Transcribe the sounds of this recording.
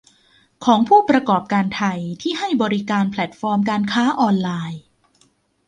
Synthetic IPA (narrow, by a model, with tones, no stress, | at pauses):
kʰɔː˩˦ŋpʰuː˥˩pɾa˧kɔː˨˩p̚kaː˧nt̪ʰa˧jt̪ʰiː˥˩ɦa˥˩jbɔː˧ɾi˦˥kaː˧npʰlɛ˨˩t̪̚fɔː˧mkaː˧nkʰaː˦˥ʔɔː˧nlaː˧j